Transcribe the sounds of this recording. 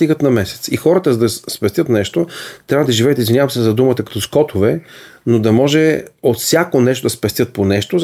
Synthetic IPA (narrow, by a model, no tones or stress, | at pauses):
t̪iɡət̪nɐmɛsɛ̥t̪sixɔɾət̪əzd̪ɐspɛst̪ʲət̪nɛʃt̪ot̪ɾʲavəd̪ɐʒivɛjət̪izvinʲavəmsɛzɐd̪umət̪əkɐt̪ɔskɔt̪ʰovɛnod̪ɐmɔʒɛot̪fsʲjakonɛʃt̪od̪ɐspɛst̪jɤt̪̚ponɛʃt̪o